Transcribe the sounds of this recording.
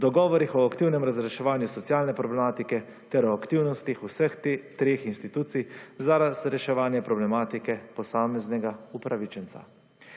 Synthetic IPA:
d̪ɔɡɔːʋɔɾixɔakt̪iwnɛmɾazɾɛʃɛʋaːnjusɔt̪sjaːlnɛpɾɔblɛmaːt̪ikɛ | t̪ɛɾɔakt̪iwnɔst̪ixusɛxt̪ɾeːxinst̪it̪uːt̪sijzaɾazɾɛʃɛʋaːnjɛpɾɔblɛmaːt̪ikɛpɔsaːmɛznɛɡaupɾaʋit͡ʃɛnt̪sa̰

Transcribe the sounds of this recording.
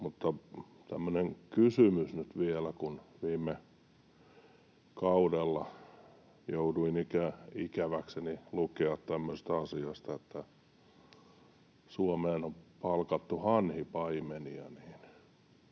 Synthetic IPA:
mut̪ːɑ | t̪æmːøneŋkysymysnyt̪ʋielækunʋiːmːe | kɑudelːɑ | jouduinikæikæʋæksenilukeɑt̪t̪æmːøse̥st̪ɑsiɑst̪ɑet̪ːæ | suɑmeːnompɑlkɑt̪ːuhɑnhipɑimeniɑ̰niːn

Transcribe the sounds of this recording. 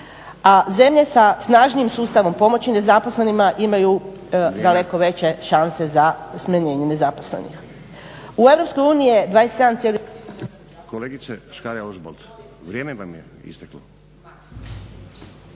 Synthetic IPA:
aze̞mʎe̞sasnaːʒnijimsuːst̪aʋo̞mpo̞mo̞t͡ɕine̞zapo̞sle̞nimaʔimaju | d̪ale̞ko̞ʋe̞t͡ɕe̞ʃanse̞zasmaɲe̞ːɲene̞zaposlḛnḭx | ue̞ʋɾo̞psko̞juːniied̪ʋaːjest̪e̞d̪amt̪sjeli | koleːɡit̪seʃkaɾiaoʒbolt̪ | ʋɾʲjeːmeʋamjeḭst̪aklo

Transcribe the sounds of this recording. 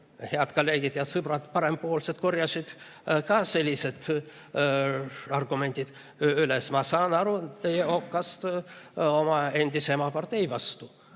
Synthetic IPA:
he̞ɑd̪kolːe̞ːɡit̪̚ːeɑt̪sɯbrɑd̪pɑɾe̞mbpo̞ːlset̪̚ko̞rjɑsid̪̥ | kɑse̞lʲːise̞d̪̥ | ɑrɡ̥ume̞nd̪ʲid̪̥ | ylesmɑsɑːnɑɾut̪ejeo̞kːɑst̪ | o̞mɑe̞nʲd̪iseemɑpɑrt̪e̞jvɑst̪u

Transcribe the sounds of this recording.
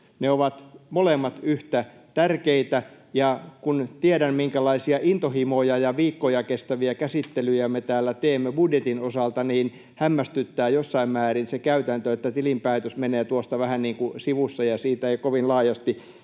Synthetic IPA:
neoʋɑt̪molemːɑt̪yht̪æ | t̪ærkeit̪æ | jɑkunt̪iedæmmiŋkælɑisiɑʔint̪ohimojɑjɑʋiːkːojɑkest̪æʋiækæsit̪ːelyjæmet̪æːlːæt̪eːmːebudjet̪inosɑlt̪ɑniːn | hæmːæst̪yt̪ːæːjosːɑimmæːrinsekæyt̪ænt̪øet̪ːæt̪ilimpæit̪øsmeneːt̪uost̪ɑʋæhænniːŋkusiʋusːɑjɑsiːt̪æeikoʋinlɑːjɑst̪i

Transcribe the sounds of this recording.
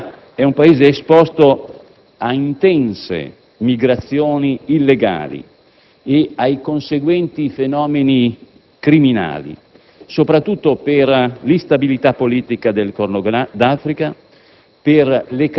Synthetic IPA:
ɛumpaeːzeːspɔst̪o | aint̪ɛnsḛ | miɡɾat̪sːjoːniːlːeɡa̰ːlḭ | eajkonseɡwɛnt̪ifenɔːmeni | kɾimina̰ːlḭ | sopɾat̪ːut̪ːoperlist̪abilit̪apːoliːt̪ikad̪elkornoɡd̪afɾika | perlek

